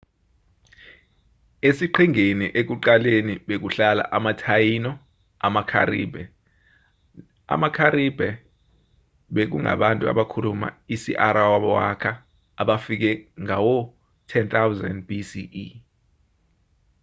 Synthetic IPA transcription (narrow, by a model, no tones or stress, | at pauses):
esiǃʰiŋeniʔek̬uǃaleniɓek̬uɬala̰ʔamatʰajinɔ | amakʰa̰rḭːbʱɛ | a̰makʰaɾibʱɛ | ɓek̬uŋa̰ɓantʼua̰ɓakʰuluma̰isḭʔaɾawaɓɔwakʰa | aɓafik̬ɛŋawɔ | tʰɛnt̪ʰawza̰ndbisii